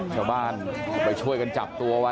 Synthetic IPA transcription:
t͡ɕʰaː˧˩wbaː˧˩nɔː˨˩jt͡ɕʰu˥˩əjka˧nt͡ɕa˨˩p̚t̪u˧ɐ˧wa˧

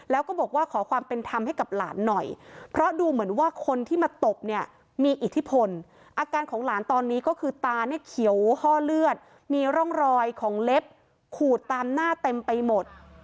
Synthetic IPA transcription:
lɛː˦˥wkɔː˥˩bɔː˨˩k̚waː˥˩kʰɔː˩˦kʰwaː˧mpe˧nt̪ʰa˧mha˥˩jka˨˩p̚laː˩˦nːɔ˨˩jpʰɾɔ˦˥duː˧mɯ˩˦ənwaː˥˩kʰo˧nt̪ʰiː˥˩maː˧t̪o˨˩p̚ni˥˩ɐ | miː˧ʔi˨˩t̪ʰːi˦˥pʰo˧n | ʔaː˧kaː˧nkʰɔː˩˦ŋlaː˩˦nt̪ɔː˧nːiː˦˥kɔː˥˩kʰɯː˧t̪aː˧ni˥˩əkʰi˩˦əwhɔː˥˩lɯ˥˩ət̪̚ | miː˧ɾɔ˥˩ŋɾɔː˧jkʰɔː˩˦ŋle˦˥p̚ | kʰuː˨˩t̪ːaː˧mnaː˥˩t̪e˧mpa˧jmo˨˩t̪̚

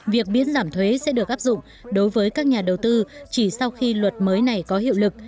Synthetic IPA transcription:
vi˨˩ək̚mḭ˧˥ənzaː˧˩mt̪ʰwe˨˦sɛ̰˧˥ɗɨ˨˩ək̚ʔaː˦˥p̚zʊ̰˧˨ŋ͡m | ɗo˨˦jvəː˨˦jkaː˦˥k̚ɲaː˨˩ɗə˨˩wt̪ɨ˧t͡ɕi˧˩sa˧wxi˧lwə˨˩t̚məː˨˦jna˨˩jkɔ˨˦ɦḭ˧˨əwlɨ˨˩k̚

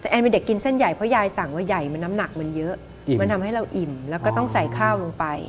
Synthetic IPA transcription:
ʔɛː˧npe˧nde˨˩kːi˧nse˥˩nja˨˩jpʰɔ˦˥jaː˧jsa˨˩ŋwaː˥˩ja˨˩jma˧nːa˦˥mna˨˩k̚ma˧njɤ˦˥ʔ | ma˧nt̪ʰa˧mɦa˥˩jɾa˧wʔi˨˩mlɛː˦˥wkɔː˥˩t̪ɔ˥˩ŋsa˨˦jkʰaː˥˩wlo˧ŋpa˧j

